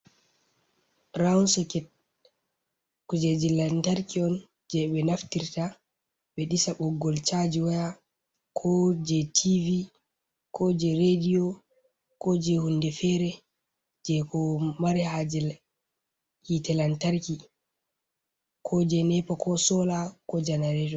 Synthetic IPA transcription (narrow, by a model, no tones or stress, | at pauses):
ɾawnsɔkɛt̚ | kud͡ʒɛd͡ʒilantaɾkiɔn | d͡ʒɛɓɛnaftiɾta | ɓɛɗisaɓɔɡːɔlt͡ʃad͡ʒiwaja | kʰɔd͡ʒɛtʰivi | kʰɔd͡ʒɛɾediɔ | kɔd͡ʒɛhundɛfɛɾɛ | d͡ʒɛkɔmaɾɛhad͡ʒɛl | hitɛlantaɾki | kʰɔd͡ʒɛnɛpakʰɔsɔlakɔd͡ʒanaɾɛtɔ